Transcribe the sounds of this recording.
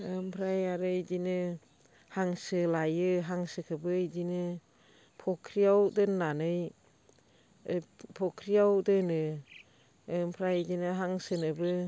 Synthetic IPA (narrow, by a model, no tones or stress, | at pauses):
ɯmpʰɾajaɾɯjd͡ʒinɯ | haŋsɯlajɯɦaŋsɯkʰɯbɯjd͡ʒinɯ | pʰɔkʰɾijawdɯnːanɯj | pʰɔkʰɾijawdɯnɯ | mpʰɾajzinɯɦaŋsɯnɯbɯ